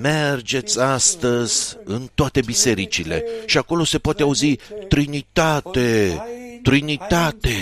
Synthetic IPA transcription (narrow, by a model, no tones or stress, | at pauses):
me̞rd͡ʒe̞t̪sʲast̪əz̥ʲɨnt̪oat̪e̞bise̞ɾit͡ʃile̞̰ʃiako̞lo̞se̞poat̪eauzit̪ɾinit̪at̪e̞t̪ɾinit̪at̪e̞